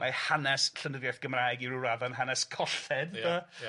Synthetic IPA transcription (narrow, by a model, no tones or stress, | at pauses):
mahanɛsʰɬənəðjɛθɡ̥əmrajɡiɾuɾaðɔnɦanɛskʰɔɬɛda